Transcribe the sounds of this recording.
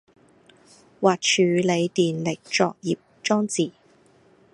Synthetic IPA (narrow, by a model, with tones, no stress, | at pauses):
waː˨t̚t͡ʃʰyː˨˧le˨˧jt̪iː˨nlɪ˨k̚t͡ʃɔː˨˧k̚jiː˨p̚t͡ʃɔː˥ŋt͡siː˨